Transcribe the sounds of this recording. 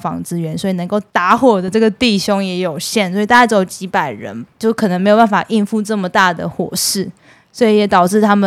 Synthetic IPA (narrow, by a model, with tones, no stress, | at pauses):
fɑ̰˧˥ŋt͡sɹ̩˦˥ɥɛ˧˥nswɔ˧˥i˨nə˧˥ŋko˥˩ʊt̪a˧˥xwɔ˥˩d̪ə˨ʈ͡ʂɤ˥˩ɡə˩t̪i˥˨˩ɕo˥ŋjɛ˧˥jo˨˩ʊɕjɛ˥˩nswɔ˧˥i˨˩t̪a˥˧a˥˩t͡st͡ɕi˧˥pa˨˩ɪɻə̰˧˥nt͡ɕjo˥˧˩kʰɤ˨˩nə˧˦ŋme˧˥jo˨˩ba˥˩nfa̰˨˩ʔi˥˧nfu˥˧ʈ͡ʂɤ˥˩mə˩t̪a˥˩d̪ə̰˩xwɔ̰˨˩ʂɻ̩˥˩ | swɔ˧˥i˨˦jɛ˨˥t̪ɑ˨˩ʊʈ͡ʂɻ̩˥˩t̪ʰa˥mə˨